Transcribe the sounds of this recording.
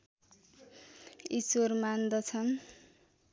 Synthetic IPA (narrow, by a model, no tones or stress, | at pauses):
isormand̪ʌt͡sʰʌn